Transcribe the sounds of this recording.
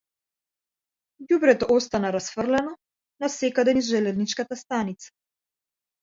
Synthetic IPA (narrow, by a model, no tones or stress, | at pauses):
jubɾɛt̪ɔʔɔst̪anaɾasfərlɛnɔ | nasɛkad̪ɛnizʒɛlɛznit͡ʃkat̪ast̪anit̪sḁ